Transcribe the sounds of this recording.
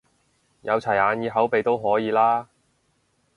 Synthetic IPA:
jɐ˨˧wt͡sʰɐ˨˩jaː˨˧njiː˨˧ɦɐ˨˥wpe˨jt̪o˥wɦɔː˨˥jiː˨˧laː˥

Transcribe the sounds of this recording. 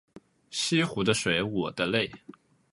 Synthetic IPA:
ɕi˥xu˧˥d̪ə˧ʂwe˧˥ɪwɔ˨˩d̪ə˦le˥˩ɪ

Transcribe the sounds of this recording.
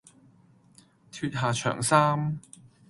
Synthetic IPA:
t̪ʰyː˧t̚ɦaː˨t͡ʃʰœ̰ː˨˩ŋsaː˥m

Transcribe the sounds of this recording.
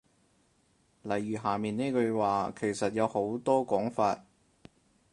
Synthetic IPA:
lɐ˨˩jːyː˨˩ɦaː˨miː˨ne˥kɵ˧waː˨kʰe˨˩jsɐ˨t̚jɐ˨˧who˨˥wt̪ɔː˥kɔː˨˥ŋfaː˧t̚

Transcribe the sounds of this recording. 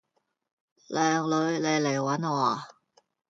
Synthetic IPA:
lɛː˨ŋlɵ˨˧ɥle˨˧jle˨˩jwɐ˨˥nwɔː˨˩

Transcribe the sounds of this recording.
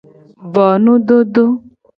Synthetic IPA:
vɔ˨nũ˦ɖo˦ɖo˦

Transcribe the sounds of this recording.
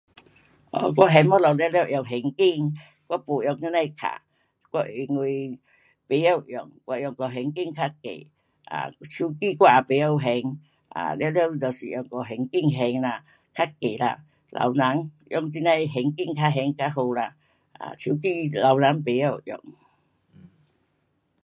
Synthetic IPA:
ʔɔ̰˧˩kwɔ˦ɦɛ˧ŋmɔ˦lɔ˨ljlɛ˧˨ʔjɔ˨˩ŋɦɛ˨˧ŋki˧ŋ | kwɔ˦po˨˩jɔ˧ŋa˧˦na˧kʰa̰˨ | kwɔ˧i˧ŋwe˧˩ | pe˨˦ja˧˨wjɔ̰˨˩ŋkwa˧jɔ˨˩ŋkɔ˨˩ɦɛ˨˧ŋki˥˧˨ŋkʰa˦kḛ˨ | ʔa̰˨t͡ɕʰu˧˦ki˥˧˨kwa˦˧a˨pe˨˦ɔ˧wɦɛ˧ŋ | ʔa̰˨ljlt̪ɔ˨˩sḭ˨ʔjɔ˨˩ŋkɔ˨˩ɦɛ˨ŋki˥˧ŋɦɛ˧ŋla˧ | kʰa˦ke˨la̰˧ | lʔa̰˨wna˨˦ŋ | jɔ˧˨ŋti˧˦nã˧jɦɛ˧˩ŋki˧˨ŋkʰa˧˦ɦɛ˧ŋka˦ɦo˧la˧ | ʔa̰˨t͡ɕʰu˧˦k̬i˥˧la˨wna˨˦ŋpe˨˦ja˧˩wʔjɔ̰˨˩ŋ

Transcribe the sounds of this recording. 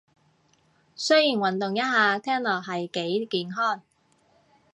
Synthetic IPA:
sɵ˥ɥjiː˨˩nwɐ˨˩nt̪ʊ˨ŋjɐ˥t̚ɦaː˨˧t̪ʰɛː˥nlɔː˨˩ɦɐ˨jke˨˥jkiː˨nɦɔː˥˩n

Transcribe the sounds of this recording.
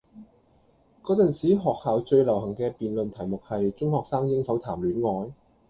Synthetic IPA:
kɔː˨˥t͡sɐ˨nsiː˨˥ɦɔː˨k̚haː˨wt͡ʃɵ˧ɥlɐ˨˩wɦɐ˨˩ŋkɛː˧piː˨nlɵ˨nt̪ʰɐ˨˩jmʊ˨k̚hɐ˨jt͡ʃʊ˥ŋhɔː˨k̚saː˥ŋjɪ˥ŋsɐ˨˥wt̪ʰaː˨˩mlyː˨˥nŋɔː˨˧j

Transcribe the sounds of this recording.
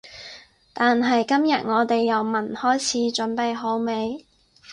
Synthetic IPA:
t̪aː˨nɦɐ˨jkɐ˥mjɐ˨t̚ŋɔː˨˧t̪e˨jːɐ˨˧wmɐ˨˩nhɔː˥jt͡sʰiː˨˥t͡ʃɵ˨˥npe˨jɦo˨˥wme˨˧j

